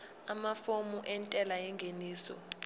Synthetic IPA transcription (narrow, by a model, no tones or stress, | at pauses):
amafomuʔɛntʼɛlajɛŋɡʱeniːsɔ̰